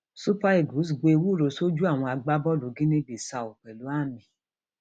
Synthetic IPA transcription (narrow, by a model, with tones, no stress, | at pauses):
su˦pa˦i˨ɡu˨˦s̬ɡ͡be˧wu˦˨ɾo˨˧so˦d͡ʒu˦a˦˨w̃ɔ̃˧a˧ɡ͡ba˦bɔ˦lo˨˦ɡĩ˦nẽ˦bi˨sa˧˨o˨k͡pɛ˨lu˨˦a˦˨mĩ˨˦